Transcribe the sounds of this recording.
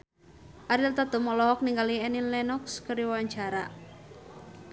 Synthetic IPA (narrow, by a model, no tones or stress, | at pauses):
ʔaɾilt̪at̪umɔlɔɦɔk̚niŋɡaliɛninlɛnɔkskəɾiwaɲt͡ʃaɾa̰